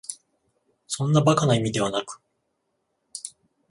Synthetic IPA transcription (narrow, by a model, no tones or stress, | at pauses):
sõ̞nːabakanaimʲid̪e̞βanakɯ̟̥